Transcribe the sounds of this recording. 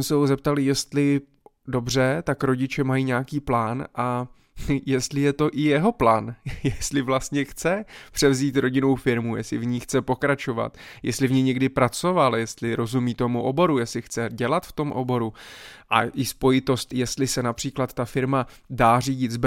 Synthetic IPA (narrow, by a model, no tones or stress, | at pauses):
ɛsɛɦozɛp̚t̪alɪjɛst̪lɪ | do̞br̝ɛt̪akɾo̞ɟɪt͡ʃɛmajiːɲaːkiːplaːnʔa | jɛst̪lɪjɛt̪o̞ʔɪjɛɦo̞plaːnjɛst̪lɪvlast̪ɲɛxt͡sɛpr̥ɛvziːt̪ɾo̞ɟɪno̞wfɪɾmujɛslɪvɲiːxt͡sɛpo̞kɾat͡ʃo̞va̰t̪jɛ̰st̪lɪvɲɛjɲɛɡdɪpɾat͡so̞valjɛst̪lɪɾo̞zumiːt̪omuʔo̞bo̞ɾujɛst̪lɪxt͡sɛɟɛlat̪ft̪o̞mʔo̞̰bo̞ɾuʔa̰ʔɪspo̞jɪt̪o̞st̪jɛst̪lɪsɛnapr̝̥iːklat̪ːafɪɾma | daːriːɟɪt̪zb